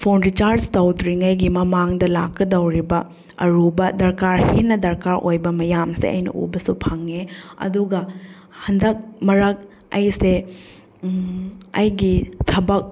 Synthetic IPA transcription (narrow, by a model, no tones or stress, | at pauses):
pʰonɾit͡ʃaɾd͡ʒtɐwdɾiŋɐjɡimɐmaŋdɐlakːɐdɐwɾibɐ | ɐ̰ɾubɐdɐɾkaɾhinɐdɐɾkaɾʔojbɐmɐjamsḛʔɐ̰jnɐ̰ʔṵbɐsupʰaŋːeɐ̰duɡɐ | hɐndɐk̚mɐɾɐk̚ | ɐjse | ɐjɡitʰɐbɐk̚